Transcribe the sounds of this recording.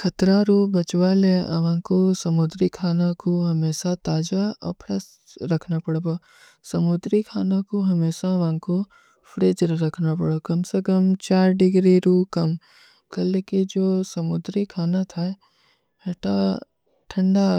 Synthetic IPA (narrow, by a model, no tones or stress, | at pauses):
kʰɐt̪ɾaɾuːbɐt͡ʃʋaːleɐ̰ʋãːkosɐmʊd̪ɾikʰaːnakoɦɐmeːʃat̪aːd͡ʒaɐ̰pʰɾəs | ɾɐkʰnapɐɽboː | sɐmʊd̪ɾikʰaːnakoɦɐmeːʃaʋãko | pʰɾeːd͡ʒɾɐkʰnapɐɽokɐmsekɐmt͡ʃaːɾɖɪɡɾiɾuːkɐm | kɐlekid͡ʒoːsɐmʊd̪ɾikʰaːnat̪ʰaɛ | ɦeʈa | ʈʰɐ̃ɳɖa